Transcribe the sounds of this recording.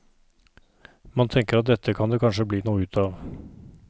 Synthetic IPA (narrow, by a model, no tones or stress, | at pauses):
mɑnt̪ʰɛŋkəɾɑt̪̚d̪ɛt̪ʰːəkʰɑnd̪eːkʰɑnʂəbliːnuːəʉːt̪ʰɑːʋ